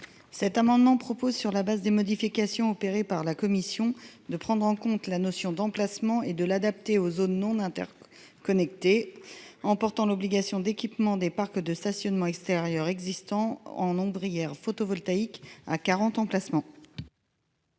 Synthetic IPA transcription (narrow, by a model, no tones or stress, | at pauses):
sɛt̪amɑ̃d̪mɑ̃pχɔpozsyʁlabazd̪emɔd̪ifikasjɔ̃ɔpeʁepaʁlakɔmisjɔ̃d̪əpχɑ̃d̪ʁɑ̃kɔ̃t̪lanɔsjɔ̃d̪ɑ̃plasmɑ̃ed̪əlad̪ap̚t̪eozonːɔ̃nɛ̃t̪ɛ̰ʁ | kɔnɛkt̪e | ɑ̃pɔʁt̪ɑ̃lɔbliɡasjɔ̃d̪ekʲipmɑ̃d̪epaʁkd̪əst̪asjɔnmɑ̃ɛkst̪eʁjœʁɛɡzist̪ɑ̃ɑ̰̃nɔ̃bʁijɛʁfot̪ɔvɔlt̪aika̰kaʁɑ̃t̪ɑ̃plasmɑ̃